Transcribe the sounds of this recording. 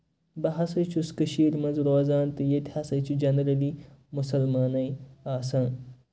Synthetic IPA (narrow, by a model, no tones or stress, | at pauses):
bɐɦɐsɐjt͡ʃʰuskɐʃiːɾmɐnzɾoːzaːnt̪ɨjet̪hɐsɐjt͡ʃʰud͡ʒɐnɐɾɐliːmusɐlmaːnɐiaːsɐ̃ː